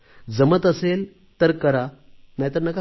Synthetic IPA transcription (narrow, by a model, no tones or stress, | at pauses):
d͡zəmət̪əsel | t̪əɾkəɾanajt̪əɾnəka